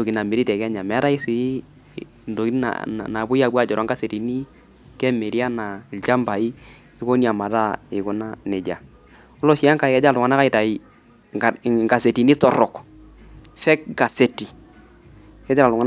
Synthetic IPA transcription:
do˨ki˨na˨me˨ɾi˦tɛ˨kɛ˦ɲa˨mɛ˨˦ɾa˦ɪ˦sɪ˨˦ | ndo˨ki˦na̰˨na˨bʊ˦ja˨bwa˦˨d͡ʒɔ˨ɾɔ˨˦ŋɡa˦se˨ti˨ni˦ | kɛ˦me˨ɾi˦a˦na˨ɪ˨lt͡ʃa˦mba˨i˦ | ɪ˦ko˦ni˦a˨ma˨ta˦ɪ˨kʊ˦na˦nɪ˨d͡ʒa˨ | ɔ˦lɔ˦ʃi˦a˦ŋka˨ɪ˨kɛ˦d͡ʒa˦˨lʊ˨ŋa˨na˦ka˦ɪ˨ta˨i˨ | ŋɡa˨se˨ti˨ni˦tɔ˨ɾɔ˨k | fɛ˦kɡa˨se˦ti˨ | kɛ˦d͡ʒa˦la˨lʊ˨a˦

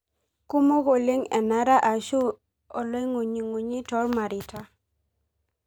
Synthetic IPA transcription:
ku˦mo˦ɣo˨le˦ŋɛ˨na˨˦ɾa˦ʔa˨ʃu˦ | ɔ˨lɔ˦i˦ŋo˨ɲi˨ŋo˨ɲi˦tɔ˦rma˨ɾɪ˨tʰa˦

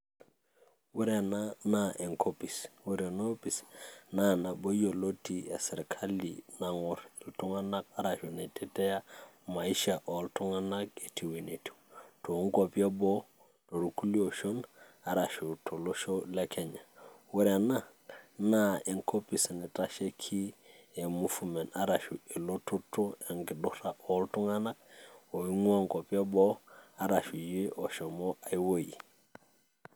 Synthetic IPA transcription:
we˦ɾe˨na˦na˨ʔe˨ŋkʰo˦pi˨swe˦ɾe˨no˦pi˨sna˦na˨bo˦jo˨lo˦ti˨e˨sɪ˨ɾkʰa˦lḭna˨ŋɔ˨ɾɪ˨ltu˦ŋa˦na˦k̚a˦ɾa˨ʃu˨ne˨te˦tɛ˦ja˦ | ma˨i˦ʃa˨ʔɔ˨ltu˦ŋa˦na˦k̚e˨tʰi˨wi˨ne˨ti̥˨to˨˦ŋko˨pi˦a˦bɔ˦ | to˨ɾu˦ku˦li˦o˨ʃo˦na˨ɾa˨ʃu˨to˨lo˦ʃo˦le˦ke˨ɲa˨we˦ɾa˨na˦ | na˦i˨ŋko˦pi˨si˨ni˨ta˦ʃe˦kʰi˦e˨mufu˨me˨na˨ɾa˨ʃu˨e˨lotu˦tu˦e˨ŋki˨du˦hɾa˨ʔoltu˦ŋa˦na˦k̚o˨i˦ŋwa˦ŋko˨pje˦bo˦a˨ɾa˨ʃu˨ji˦ʔo˨ʃo˨moa˨i˦wo˦jḭ˨

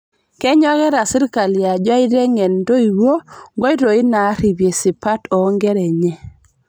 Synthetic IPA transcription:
kɛ˦ɲɔ˦ɣɛ˦ɾa˨sɪ˦ɾka˨lja˨d͡ʒa˦i˦ɾe˦ŋɛ˨ndo˦i˨wo˦ŋɡɔ˦i˦ɾo˨i˦na˨˦ɾi˨bje˨si˨pa˦tɔ˨˦ŋɡɛ˦ɾɛ˨ɲɛ˦

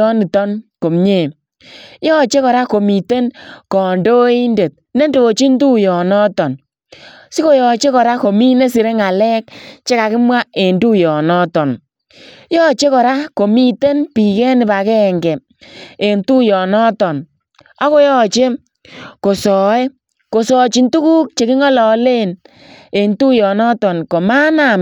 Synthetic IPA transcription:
ɔ˦ni˨tɔ˦nko˨mɲe˦˨ | jɔ˦t͡ʃe˦kɔ˨ɾa˦ko˨mi˨te˦nkɔ˨ndo˦i˦nde˨t̚ne˦ndo˨t͡ʃi˦ndu˦jɔ˨nɔ˦tɔ˨n | si˦ko˦jɔ˨t͡ʃe˦kɔ˨ɾa˦ko˨mi˦ne˦s̬i˨ɾe˦ŋa˨lɛ˦k̚t͡ʃe˦ka˨kɪ˦mwa˦e˨ndu˦jɔ˨nɔ˦tɔ˨n | jɔ˦t͡ʃe˦kɔ˨ɾa˦ko˨mi˦te˦npi˨kɛ˦nɪ˨ba˨kɛ˦˨ŋɡɛ˨ | e˨ntu˦jɔ˨nɔ˦tɔ˨n | a˦ko˦jɔ˦t͡ʃe˦ | ko˨sɔ˨e˦ | ko˨sɔ˨t͡ʃi˨ntu˦kuː˦k̚t͡ʃe˨kɪ˦ŋɔ˦lɔ˨le˦n | e˨ntu˦jɔ˨nɔ˦tɔ˨nko˨ma˦na˦˨m

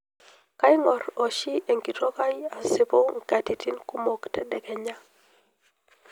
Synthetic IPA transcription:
ka˦jŋɔ˨ɾo˨ʃi˦e˨ŋki˨to˦ka˦ja˨se˦bo˦ŋ̩˨ka˨ti˨ti˦nku˦mo˦ktɛ˨dɛ˨kɛ˨ɲa˦

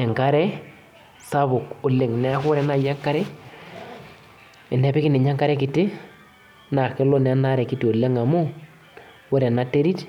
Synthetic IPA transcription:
ɛ˨ŋka˦ɾɛ˦ | sa˦bʊ˨kʊ˨le˨ŋnɛ˦a˦kʊ˦ɾɛ˦na˦˨ja˦ŋka˦ɾɛ˦ | ɪ˨nɛ˦pɪ˦kɪ˦nɪ˨ɲa˦ŋka˦ɾɛ˦kɪ˨tɪ˦ | na˨kɛ˦lɔ˦nɛ˨˦na˦ɾɛ˨kɪ˨˦tɪ˨o˨le˦ŋa˨mʊ˦ | wʊ˦ɾɛ˨na˦te˦ɾi˦t

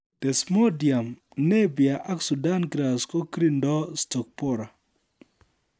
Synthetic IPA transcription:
t̪e˨smo˦dja˨m | ne˦bja˨ʔa˦ksu˨da˦nɡɾa˨sko˦kɾi˦ndɔ˦stɔ˨k̚pɔ˦ɾa˨

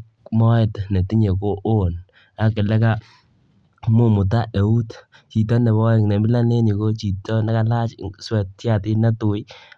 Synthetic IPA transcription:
mɔ˦e˨tne˨ti˦ɲe˨ko˦ʔo˦˨n | a˨kɪ˨lɛ˦ka˦ | mu˦mʊ˨t̬a˦ʔe˨u˦t | t͡ʃi˨t̬ɔ˦nɛ˨bɔ˦˨ŋne˨mbi˦la˦ne˦ni˨ko˦t͡ʃi˨tɔ˦na˦ka˦la˦t͡ʃswɛ˨tja˦˨tɪ˦na˦tu˨j

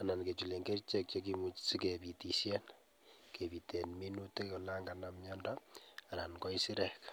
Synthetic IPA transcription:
a˨na˨nke˨t͡ʃu˨le˨ŋɡe˦rt͡ʃe˦k̚t͡ʃokimu˦t͡ʃsike˨pi˨ti˨sje˦n | ke˨pi˨te˨nmi˦nu˦te˦ko˨la˦ŋɡana˨mjɔ˦ndaa˨na˨nkɔ˦isi˦ɾɛ˨k

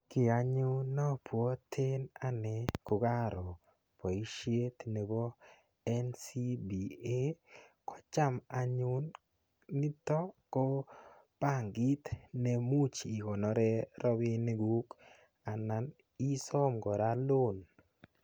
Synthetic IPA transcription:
kɪ˨a˨ɲʊ˦nɔ˦pwɔ˦t̪ʰe˦na˦nɛ˨˦kʊ˨ɡa˦ɾɔ˨ | pɔ˨i˦ʃje˦t̪i˨ne˨bɔ˦ | ɛ˦nsi˦bi˨e˦kɔ̥˦t͡ʃa˦ma˨ɲʊ˦nː | i˦t̪ɔ˦kɔ˦ | pa˦˨ŋɡi˦t̪nɛ˨mu˦t͡ʃi˨kɔ˨nɔ˨˦ɾɛ˦ɾɔ˦bi˦ne˦ɡu˦k | a˨na˨n | i˦sɔ˦mɡɔ˨ɾa˦lo˦˨n

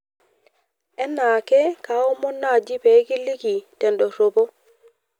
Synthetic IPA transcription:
ɛ˦nːa˨ke˦ka˨˦o˦mo˦nːa˦˨d͡ʒi˦pe˨˦ki˦li˦ki˨te˨ndo˨so˨bo˦

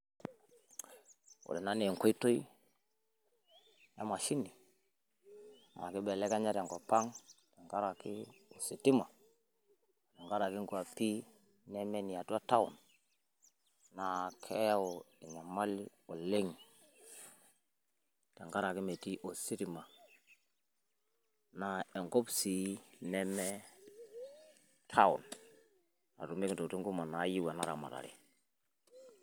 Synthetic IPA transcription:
wo̰˨de˨na˨˦ne˨ŋ˨ko˦i˦to˦i˦ | ja̰˦ma˨ʃi˦ni˨ | ma̰˨ki˦be˨le˦ka˦ɲa˦ɾa˨ŋko˨pa˦ŋta˨ŋka˦ɾa˨ki˦o˨si˨ti˦ma˨ | de˨ŋɡa˦ɾa˨ki˦ŋɡu˦a˨pi˦ | ne˦me˦ni˨ja˨tu˦a˦ta˦wṵ˨n | a˨kʰe˦ja˦wo˨e˨na˨ma˦li˦ | o˨le˦ŋ˨ | ta˨ŋɡa˦ɾa˨ki˦me˨ti˦ʔo˨si˦ɾi˨ma˨ | na˨e˨ŋɡo˦bsi˨˦nɛ˦mɛ˦ | tʰa˦ṵ˨n | a̰˨tu˨me˦kŋ˨to˨ti˦ŋɡu˦ma˨na˨˦ji˦wa˨na˦ɾa̰˨ma̰˨ɾa̰˨ɾḭ˨

